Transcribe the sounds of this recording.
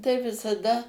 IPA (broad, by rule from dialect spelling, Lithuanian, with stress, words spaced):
tɐɪ ʋʲɪsɐˈdɐ